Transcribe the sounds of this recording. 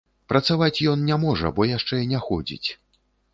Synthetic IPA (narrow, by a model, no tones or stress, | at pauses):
pɾɐt̪savat͡sʲjɔnnʲamɔʐɐ̰bɔjaʂt͡ʂɛinʲɛxɔd͡zʲḭt͡sʲ